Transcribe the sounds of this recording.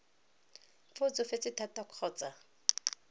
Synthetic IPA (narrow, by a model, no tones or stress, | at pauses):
fʊt͡sʊfet͡sɪtʰatakʰɔːt͡sa